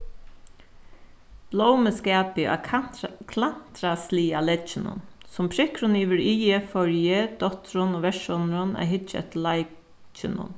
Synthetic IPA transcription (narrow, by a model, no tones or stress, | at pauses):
b̥lowməskæːpɪʔa̰kʰlan̥t̪ɾasliːalɛt͡ʃːɪnʊ̰nsʊmpʰɹɪkɾʊniːʋəɹiːəfɔɹjəd̪̥ɔt̪ɾʊnoːʋɛʃɔnɾʊna̰ɪɦɪt͡ʃɛ̰t̪laɪ | t͡ʃɪnʊ̰n